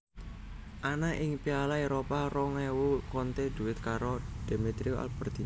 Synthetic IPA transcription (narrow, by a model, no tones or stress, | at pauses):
ʔanaʔɪŋpialaeɾoparɔŋewukɔnt̪ed̪̥ṳɪt̪̚kaɾod̪̥e̤mit̪ɾioʔa̰lb̥ərd̪̥i